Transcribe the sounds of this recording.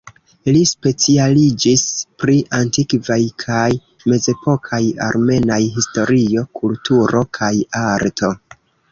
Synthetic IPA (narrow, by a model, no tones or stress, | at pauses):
lispe̞t͡sialid͡ʒispɾiʔantikvajkʰaj | me̞ze̞po̞kʰaja̰ɾme̞najɦisto̞ɾio̞kʰultuɾo̞kʰajaɾtʰo̞